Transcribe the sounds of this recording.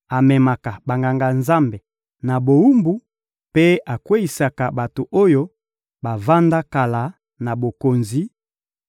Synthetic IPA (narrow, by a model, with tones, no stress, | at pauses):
a˨mɛ˨ma˨ka˨ba˨ŋɡa˨ŋɡa˨nza˦mbe˨ | na˨bo˨u˦mbu˦ | pe˦a˨kwe˦i˨sa˨ka˨ba˨to˨ʔo˦jo˦ | ba˨va˦nda˦ka˨la˨ | na˨bo˨ko˨nzi˨